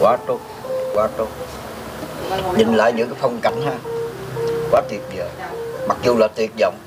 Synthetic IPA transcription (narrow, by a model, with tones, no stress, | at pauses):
kwaː˨˦t̪u˦˥t̚kwaː˨˦t̪o˦˥t̚ | ɲi˨˩nla̰ː˧˨jɲɨ̰˧˥ŋkaː˨˦fə˧wŋ͡mka̰˨˧˩jŋ̟haː˧ | kwaː˨˦t̪wi˨˩ət̚zəː˨˩ma˨˩k̚zu˨˧˩laː˨˩t̪wi˨˩ət̚zɔ̰˧˨wŋ͡m